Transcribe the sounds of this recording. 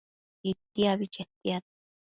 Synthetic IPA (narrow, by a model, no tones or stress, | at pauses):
it̪ːiaβit͡ʃet̪iat̪